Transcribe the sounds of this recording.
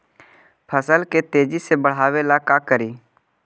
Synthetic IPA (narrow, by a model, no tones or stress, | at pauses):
pʰəsəlket̪eːd͡ʒisebəɽ̤aːʋelakakəɾiː